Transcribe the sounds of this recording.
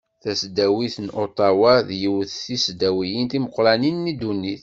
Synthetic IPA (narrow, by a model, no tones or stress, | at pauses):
θæsd̪æwiθənʔot̪ˤɑwaðjəwəθθisd̪æwijənt̪iməqːɾæninːid̪unːiθ